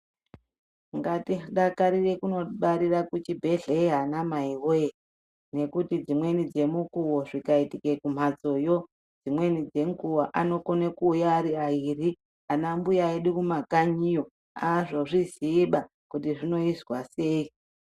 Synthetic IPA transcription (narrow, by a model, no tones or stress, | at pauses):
ŋɡatiɗakaɾire̞kuno̞ɓaɾirakut͡ʃibʱe̞ɮeiɦanamaiwe | ne̞kutid͡zimwe̞nid͡ze̞mukuwo̞ʐikaitike̞kum̤ad͡zo̞jo̞ | d͡zimwe̞nid͡ze̞ŋɡuwaʔano̞ko̞nekuːjaːɾiairi | anambujaeɗukumakaɲijo | aʐo̞ʐiziːɓa | kutiʐino̞izwase̞ːi